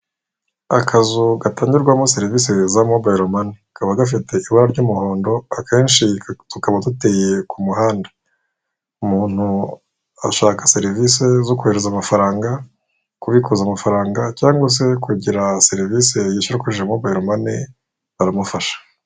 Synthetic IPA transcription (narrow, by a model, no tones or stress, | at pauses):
akʰazuɡataːɲɟiɾɡwamose̞ɾiviːsezamobajɾomanikaβaɡaf̬ite̞iβaɾaɾɟuːmuho̞ːndo̞akʰe̞ːnʃitukaβadute̞je̞kumuhaːndḁ | umuːn̥hu | a̰ʃaːkḁse̞ɾivise̞zo̞kuhe̞ɾezamafaɾaːŋɡa | kuβikuzamafaɾaːŋɡacaːŋɡwas̬e̞kuɟiɾaseɾivise̞jiʃuɾakuʒiʒemobajɾomani | aɾamufaʃḁ